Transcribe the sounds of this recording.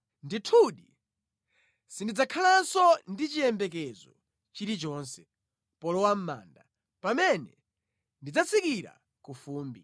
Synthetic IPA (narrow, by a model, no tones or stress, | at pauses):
nditʰuɗi | sindid͡zakʰalansɔndit͡ʃijɛmbɛk̬ɛzɔ̰ | t͡ʃiɾit͡ʃɔːnsɛ̥ | pɔlɔwam̩ma̰ːnda | pamɛnɛ | ndid͡zat͡sʰikiɾa̰ | kufuːmbi